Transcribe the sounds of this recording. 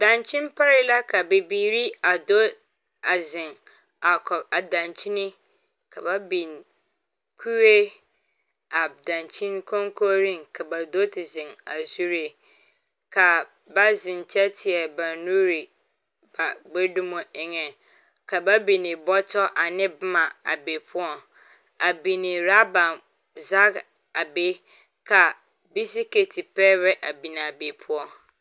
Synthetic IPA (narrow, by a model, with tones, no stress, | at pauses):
d̥ã˨nt͡ɕʰɪ̃˦n˦pʰa˦ɾi˦la˦kʰa˨be˨biː˨ɾi˦a˨do˦ | a˨zɪ̃˨n | a˨kʰɔ˨a˨dã˨nt͡ɕʰi˦nɪ̃˦ | kʰa˨ba˦bĩ˨n | kʰu˦we˦ | a˨dã˨nt͡ɕʰĩ˦nkʰɔ̃˦ŋkʰo˦ɾĩ˦˨nkʰa˨ba˨do˦tʰɪ˨zɪ̃˨na̰˨su˦ɾe˨ | kʰa˨ | ba˦zɪ̃˨ɲ˨t͡ɕʰɛ˦tʰɪ˨ɛ˨bã˨nu˦ɾi˨ | ba˨ɡ͡be˦dũ˦mũ˦ɛ˦ŋɛ̃˨ | kʰa˨ba˦bi˨nĩ˨bɔ˦tʰɔ˦ʔa˨nɪ̃˦bmã˨a̰˨be˨pʰʊ˦ɔ˦ | a˨bi˨nĩ˨ɾa˦bã˨m | za˦k | a˨be˦ | kʰa˨ | bi˦s̬i˦ke˨tʰi˨pʰɛ˦ɾɛ˦ʔa˨bi˨nã˨a˨be˨pʰʊ˦ɔ˦